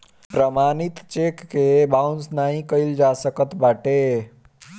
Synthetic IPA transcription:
pɾəmanit̪t͡ʃekːebawnsnaɦĩkəɪld͡ʒasəkət̪baʈe

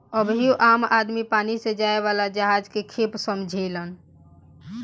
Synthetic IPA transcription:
əbɦioʔaːmaːd̪mipaːnised͡ʒaːeʋaːlad͡ʒəɦaːd͡ʒkekʰeːpsəmd͡ʒʱelən

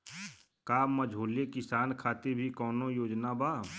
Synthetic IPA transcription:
kaːmːəd͡ʒʱoːlekɪsaːnkʰaːt̪ebʱikɔːnõjoːd͡ʒnabaː

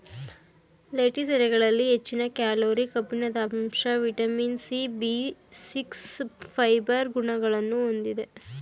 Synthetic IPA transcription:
lejʈisɛlɛɡɐɭɐlːiɦet͡ʃːinɐkjaːloːɾikɐpːinɐd̪ɐːmmʂɐʋiʈɐminsibisikspʰɐjbɐɾɡuɳɐɡɐɭɐnːuond̪id̪e̞

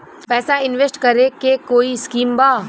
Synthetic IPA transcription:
pɛːsaɪnʋesʈkɐɾekekoːiskiːmbaː

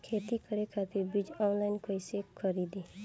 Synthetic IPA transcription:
kʰeːt̪ikəɾekʰat̪ɪɾbɾɪd͡ʒɔːnlaɪnkojsekkʰːəɾiːd̪i

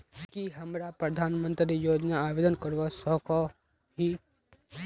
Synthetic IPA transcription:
kiɦɐmɾapɾəd̪ʱaːnmə̃nt̪ɾijoːd͡ʒnaːbeːd̪ənkəɾʋosɔɦkʰo | ɦi

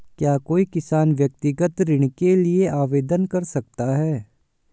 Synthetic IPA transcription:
kjaːkoːikɪsaːnʋjɐk̚t̪ɪɡət̪ɾɪɽ̃kelieʔaːʋeːd̪ənkɐɾsɐk̚t̪aɦɛː

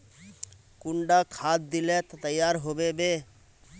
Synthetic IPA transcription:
kuɳɖakʰat̪̚d̪ilet̪t̪əjːaɾɦobebe

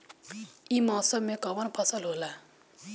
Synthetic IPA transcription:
ʔimasomekawanpʰasalola

